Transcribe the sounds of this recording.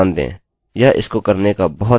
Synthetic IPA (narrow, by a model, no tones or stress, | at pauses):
nd̪ḛ̃ː | jaʔɪ̰skokəɾnekabɔɦʊt̪